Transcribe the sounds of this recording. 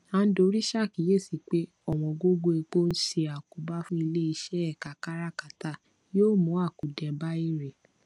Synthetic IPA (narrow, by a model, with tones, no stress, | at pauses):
ã˧n̩˦do˧˦ɾi˦ʃa˦˨ki˨˦je˦˨si˨k͡pe˦ | ɔ˦˨w̃ɔ̃˨ɡo˦ɡo˧e˧k͡po˦n̩˦ʃe˧a˨ku˨ba˦fũ˦i˧le˦i˧ʃɛ˦ɛ˦˨ka˨ka˦ɾa˦ka˨ta˦ | joː˦˨mũ˨˦a˦˨ku˨dɛ̃˨ba˦i˦ɾe˨